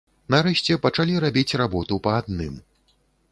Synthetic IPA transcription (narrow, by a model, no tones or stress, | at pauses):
naɾɛʃʲt͡sʲɛpɐt͡ʂalʲiɾabʲit͡sʲrabɔt̪upɐːd̪̚nɨm